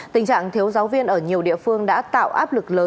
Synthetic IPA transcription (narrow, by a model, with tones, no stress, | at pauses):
t̪ï˨˩ŋt͡ɕa̰ː˧˨ŋt̪ʰi˨˦əwzaː˨˦wvi˧ənʔəː˧˩ɲi˨˩əwɗḭ˧˨əfɨ˧əŋɗa̰ː˧˥t̪a̰ː˧˨wʔaː˦˥p̚lɨ˨˩k̚ləː˨˦